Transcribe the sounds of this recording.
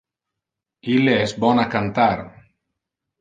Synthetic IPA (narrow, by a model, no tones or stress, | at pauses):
ileɛsbɔnakant̪aɾ